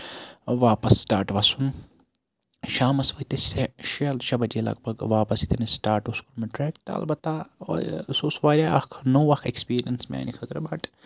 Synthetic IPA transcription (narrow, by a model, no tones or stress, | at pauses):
ʋaːpɐsːʈaːɾʈʋɐsun | ʃaːmɐsʋɐt̪ɐseʃiɐlʃɐbɐd͡ʒilɐ̰ɡ̚bɐɡʋaːpɐsit̪ʰɐnisʈaːɾʈuskuɾmɐʈɾɛːk̚t̪ɐ̰lbɐt̪ːa̰ | suːsʋaːɾʲaɐkʰnoːʋɐkʰekspiːɾijɐnsma̰ːnixʰɐt̪ɾbɐʈ